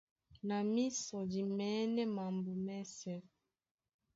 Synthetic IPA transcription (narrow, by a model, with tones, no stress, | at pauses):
na˨mi˦sɔ˨di˨mɛ˨˦nɛ˦ma˨mbu˨mɛ˦sɛ˨